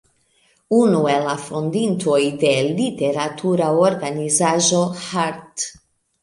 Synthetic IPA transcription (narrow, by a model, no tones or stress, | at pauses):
unuɛlafond̪int̪ojd̪elit̪eɾat̪ʰuɾaorɡanizaʒohaɾt̪